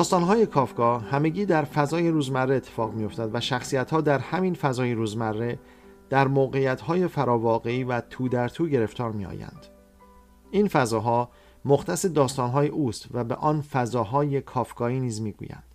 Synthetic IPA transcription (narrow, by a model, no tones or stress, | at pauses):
d̪̥ɒːst̪ɒːnɦɒːje̞kʰɒːfkɒːhæme̞ɟiːd̪æɾfæzɒːje̞ɾuːzmærːeet̪ʰːefɒːɣmijo̞ft̪æd̪væʃæxsijæt̪hɒːd̪æɾhæminfæzɒːjeɾuːzmærːe̞ | d̪̥æɾmoːɣe̞ijæt̪hɒːje̞fæɾɒːvɒːɣe̞iːvæt̪ʰuːd̪æɾt̪ʰuːɟe̞ɾe̞ft̪ʰɒːɾmḭːɒ̰ːjæ̰nd̪̥ | infæzɒːɦɒː | moχt̪ʰæse̞d̪ɒːst̪ɒːnɦɒːjeʔuːst̪væbeʔɒːnfæzɒːɦɒːje̞kʰɒːfkɒːiːniːzmiːɡṵjæ̰nd̪̥